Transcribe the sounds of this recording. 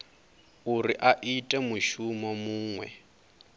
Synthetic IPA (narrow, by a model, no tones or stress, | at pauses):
uriʔaʔitʼɛmuʃumɔmuːŋwɛ̰